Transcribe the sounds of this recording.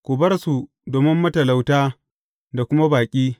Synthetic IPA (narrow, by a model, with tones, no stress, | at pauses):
kʷʊ˨bɐ˦rsu˨ | doː˨mɪ˦mːɐ˦tɐ˨la˨wtaː˦ | da˨kʷʊ˦ma˦baː˨kʲʼiː˦